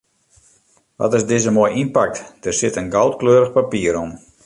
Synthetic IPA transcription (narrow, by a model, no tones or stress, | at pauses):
ʋɔ̰tɪsdɪsəmojinpak̚td̥ərsɪtənɡawtkløːɾəxpapiəɾɔm